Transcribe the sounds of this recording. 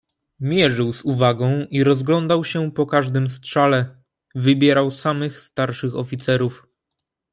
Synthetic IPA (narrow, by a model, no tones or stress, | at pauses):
mʲjɛʐɘwzuvaɡɔ̃w̃ʔiɾɔzɡlɔnd̪awɕɛpɔkaʐd̪ɘmstʂalɛ | vɘbʲjɛɾawsamɘxst̪aɾʂɘxɔfʲit̪sɛɾuf